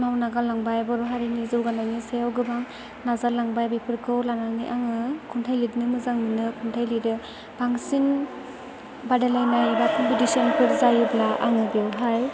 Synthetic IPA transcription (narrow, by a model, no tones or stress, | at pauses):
nawnaɡalaŋbajbɔɾɔɦaɾinizɯwɡanajnisejawɡɯbaŋ | nazalaŋbajbipʰɯɾkʰɯwlanaŋniʔaŋɯkʰuntʰajlidnɯmɯzaŋninɯkʰuntʰajliɾɯ | b̥aŋsin | badelajnajabakɔmpʰitisɔnpʰɯɾzajɯblaʔa̰ŋɯbiewɦaj